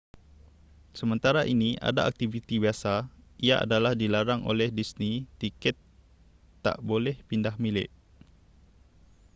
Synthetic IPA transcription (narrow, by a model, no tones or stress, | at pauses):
səmə̃nt̪aɾaʔiniʔa̰daak̚t̪ivit̪ibiasaiaʔa̰dalahdilaɾaŋʔo̰lɛhdisnit̪ikɛt̪ː | a̰ʔbolɛhpindahmilɪ̰ʔ